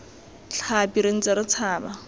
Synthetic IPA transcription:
ɬʰapiɾeŋ̩t͡saɾɪt͡sʰaːba

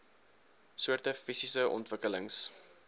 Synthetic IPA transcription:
suərtəfisisəʔɔ̰ntvəkələŋs

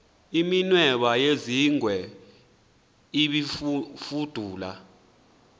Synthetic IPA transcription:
iminwɛɓajeziŋʱwɛ | iɓifud̥ʱuːla

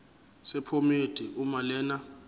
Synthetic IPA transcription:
sɛpʰomed̥ʼʱiʔumalɛːna

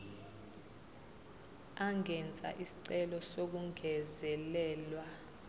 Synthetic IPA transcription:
aŋɡʱɛnt͡sʼa̰ʔisi̥ǀɛlɔsok̬uŋʱɛzɛlɛːlwa

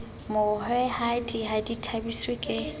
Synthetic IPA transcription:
mʊhɛhadihaditʰabiswekʼɪ

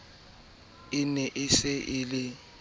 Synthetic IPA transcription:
ɪnɛʔɪsɪʔɪlɪ

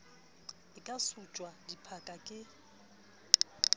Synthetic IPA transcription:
ɪkʼasut͡ʃʼwadipʰakʼakʼɪ

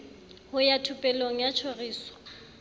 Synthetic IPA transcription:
hʊjatʰʊpʼɛloŋ̩jat͡ʃʰoriːswḁ

